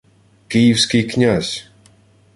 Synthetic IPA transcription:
kiːwskʲikɲʲasʲ

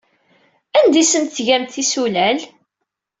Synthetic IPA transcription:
ænd̪isənt̪θʝæmt̪θisulæl

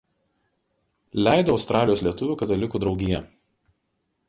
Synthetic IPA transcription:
lʲæˑɪd̪oːʊst̪ɾɑːlʲɪjoːslʲiɛt̪ʊʋʲuːˑkɐt̪ɐlʲɪkuːd̪ɾɒʊɡʲɪjɛ

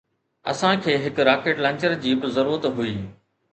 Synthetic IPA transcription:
ɐ̰sãkʰeːɦɪkɾaːkeːʈlɐ̃ɲt͡ɕəɾd͡ʑiːbɪzɐɾuːɾət̪ɦuiː

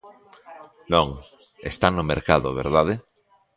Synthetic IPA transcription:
nõŋ | ḛst̪anomeɾkaðoβḛɾðaðe

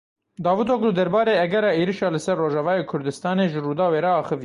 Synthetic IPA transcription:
d̪ɑːvɨt̪oːkʊd̪ɛɾbɑːɾeːɛɡɛɾɛːeːɾiʃɑːlɨsɛrːoːʒɑvɑːjeːkʰʊɾd̪ɨst̪ɑːneːʒɨruːd̪ɑːweːɾɛɑːxɨv

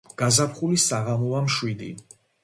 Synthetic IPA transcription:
ɡ̥azapʰχulisaʁamɔvamʃwid̪ḭ

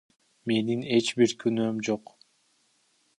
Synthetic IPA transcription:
me̞nine̞t͡ʃbiɾkʰynømd͡ʒoq

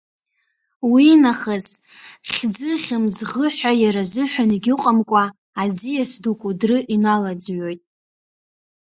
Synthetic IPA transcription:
winaχaz | χʲd͡zɨχʲɪmzʁəħʷᶣajaɾazɨħʷᶣaniɡʲɪqʼamkʷʼaː | d͡zijasdukʷʼudrɨʔinalad͡zɥo̞jtʼ

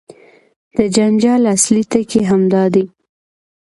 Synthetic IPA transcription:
d̪̥əd͡ʒand͡ʒɑlaslit̪əkeɦamd̪ɑd̪i

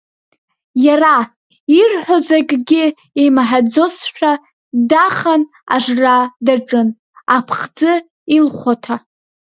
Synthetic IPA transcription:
jara | irħʷᶣozakʲʼɡʲɪ | emaħad͡zosʃʷᶣa | daχan | a̰ʐradaʈ͡ʂʼɨn | apʰχd͡zɨ | ilχʷatʰa

